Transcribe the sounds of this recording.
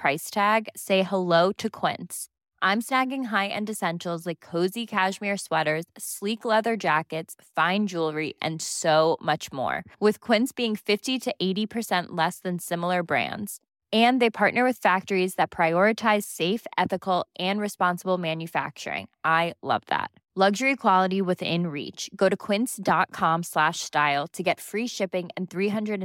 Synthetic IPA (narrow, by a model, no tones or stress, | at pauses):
pʰɹ̥aɪstʰæɡseɪhəloʊɾɨkʰw̥ɪ̰̃ns | ʔãɪ̃msnæɡɪ̃ŋɦaɪʔɨ̰̃ndɨsɛ̃nʃl̩ˠzlaɪkʰːoʊzikʰæʒmiɹswɛɾə˞z̥sliklɛðə˞d͡ʒækɨtsfãɪ̃nd͡ʒulˠɹiʔɨ̰̃nsoʊmʌt͡ʃmɔ̰ɹwɨð̥kʰw̥ɪ̃ntsb̥iɪ̃ŋfɪftiɾɨʔeɪɾipʰə˞sɛ̃nʔlɛsðɨ̃nsɪ̃ml̩ˠə˞bɹæ̰̃ndz̥ | ɨ̃nðeɪpʰɑɹʔⁿnə˞wɨð̥fæk̚tə˞izðɨt̚pʰɹ̥aɪɔɹɨtʰaɪz̥seɪfʔɛθɨkl̩ˠʔɨ̃nɹɨspɑ̃nsəbl̩ˠmæ̃njɨfæ̰k̚t͡ʃə̰˞ɪ̰̃ŋʔaɪlʌ̰vðæ̰t̚ | lʌɡʒə˞ikʰw̥ɑlˠəɾiwɪðɪ̰̃nɹḭt͡ʃɡ̥oʊɾɨkʰw̥ɪ̃nsd̥ɑt̚kʰɑ̃mslæʃstaɪlˠtʰɨɡɛtfɹiʃɪpɪ̃ŋɨ̃nθɹiɦʌ̃ndɹɨɾ